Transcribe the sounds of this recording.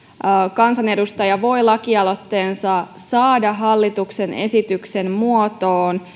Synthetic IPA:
kɑnsɑne̞dust̪ɑjɑʋo̞jlɑkiɑlo̞t̪ːe̞ːnsɑ | sɑːdɑɦɑlːit̪ukse̞ne̞̰sit̪ykse̞mmuot̪oːn

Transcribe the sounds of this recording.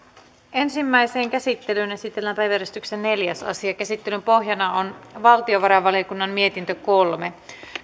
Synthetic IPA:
ʔe̞nsimːæjse̞ːŋk̟æsit̪ːe̞lynesit̪ːelːænæpæjʋærest̪yksenːe̞ljæsɑ̰siɑkæsit̪ːe̞lympo̞ɦjɑnɑonʋɑlt̪io̞ʋɑɾɑʋɑliokunːɑmmie̞t̪int̪øko̞lme̞

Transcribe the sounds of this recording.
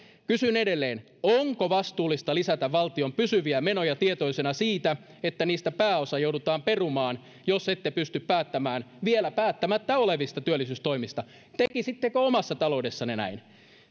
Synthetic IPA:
kysynedelːeːn | oŋkoʋɑst̪uːlːist̪ɑlisæt̪æʋʋɑlt̪iompysyʋiæmenojɑt̪iet̪oisenɑsiːt̪æ | et̪ːæniːst̪æpæːosɑjowdut̪ɑːmperumɑːn | joset̪ːepyst̪yppæːt̪ːæmæːnʋielæpæːt̪ːæmæt̪ːæoleʋist̪ɑt̪yølːˑisyːst̪o̞imist̪ɑ | t̪ekisit̪ːekøomɑsːɑt̪ɑloudesːɑnenæ̰in

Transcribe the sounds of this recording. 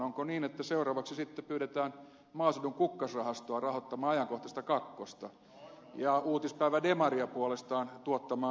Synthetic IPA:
oŋkoniːnet̪ːæseurɑːʋɑksisit̪ːepyːɾet̪æːn | mɑːsuduŋkukːɑsrɑhɑst̪oɑrɑhot̪ːɑmɑːɑjɑŋkoht̪ɑst̪ɑkɑkːost̪ɑ | jɑuːt̪ispæiʋædemɑriɑpuolest̪ɑːnt̪uot̪ːɑmɑː

